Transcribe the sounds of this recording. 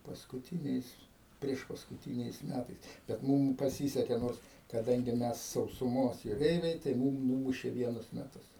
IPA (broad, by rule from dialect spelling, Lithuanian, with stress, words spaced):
pɐskʊˈtʲiːnʲɛɪs pʲrʲiɛʃpɐskʊˈtʲiːnʲɛɪs ˈmʲætɐɪs bʲɛt ˈmʊm pɐˈsʲiːsʲɛkʲɛ ˈnoːrs kɐˈdɐŋʲɡʲɪ ˈmʲɛs sɐʊsʊˈmoːs jʊˈrʲɛɪʋʲɛɪ tɐɪ ˈmuːm ˈnuːmʊʃʲeː ˈʋʲiɛnʊs mʲɛˈtʊs